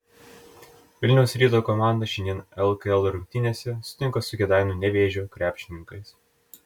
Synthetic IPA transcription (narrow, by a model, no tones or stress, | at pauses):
ʋʲɪlʲnʲɛʊsɾʲiːt̪oːkɔmɑˑnd̪ɐʃʲɛnd̪ʲiɛnɛlˠkɐɛlˠɾʊŋʲk̚ʲt̪ʲɪnʲeːsʲɛsʊ̥t̪ʲɪŋkosʊkʲɛd̪ɑˑɪnuːnʲɛʋʲeːʒʲokɾʲʔæːpʲʃʲɪnʲɪŋkɐɪs